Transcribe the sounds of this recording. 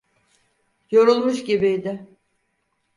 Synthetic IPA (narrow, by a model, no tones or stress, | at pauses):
jo̞ɾulˠmuʃɟibijd̪ɪ